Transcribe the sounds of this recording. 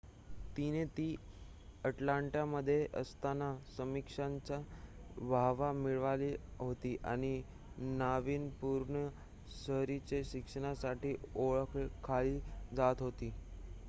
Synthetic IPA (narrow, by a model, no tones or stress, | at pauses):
t̪inet̪iː | əʈlaɳʈjaməd̪ʱːjeʔə̰st̪anasəmikʂaɲt͡ɕabʱaʋamiɭʋaliːɦot̪iːʔa̰ɽ̃i | naʋiːnpuːɾɳə | ɕəɦɾit͡ɕeɕikʂəɽ̃asaʈiːoɭəkʰekʰaɭiːd͡zat̪ɦot̪iː